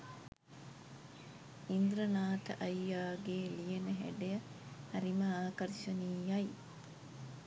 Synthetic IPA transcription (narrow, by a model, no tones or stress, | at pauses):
ind̪ɾɐnaːt̪ɐʔɐjːaːɡeːlijenəɦḛɖejɐhɐɾimɐaːkɐɾiʃɐniːjɐj